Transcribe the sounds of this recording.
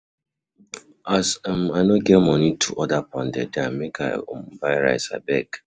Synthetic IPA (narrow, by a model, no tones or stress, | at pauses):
asm̩anoɡemɔnitʰuʔɔdapɔn̩dɛ̰dameka̰om̩baɾa̰ɪsa̰bɛk